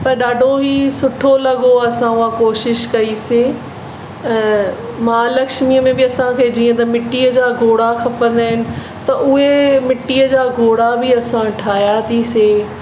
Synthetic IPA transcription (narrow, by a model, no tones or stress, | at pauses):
pɐɾɗaːɖʱoɦisʊʈʰolɐɠoɐsãʊãkoːʃɪʃkɐise | mãːlɐkʃmiəmẽbɪɐsãkʰeːd͡ʑiːə̃t̪ɐmɪʈiəd͡ʑaːɡʱoːɽakʰɐpə̃n̆d̪aːɦɪnɪ̆ | t̪ɐʔʊɦemɪʈiəd͡ʑaːɡʱoːɽabɪɐsãʈʰaːjat̪ʰiseː